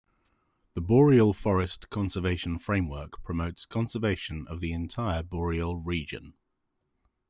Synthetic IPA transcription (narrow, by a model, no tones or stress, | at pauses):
ðəbɔːɹiəlˠfɒɹɪskʰɒ̃nsəveɪʃə̃nfɹẽɪ̃mwɜˑkpʰɹ̥əməʊtskʰɒ̃nsəveɪʃə̃nə̰vðiɪ̃ntʰaɪəbɔːɹiəlˠɹiːd͡ʒə̰̃n